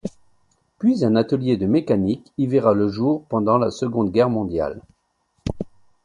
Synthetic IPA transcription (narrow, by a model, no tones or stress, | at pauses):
pɥizɛ̃nat̪əljed̪əmekanikiveʁaləʒuʁpɑ̃d̪ɑ̃lasəɡɔ̃d̪ɡʲɛʁmɔ̃d̪ja̰l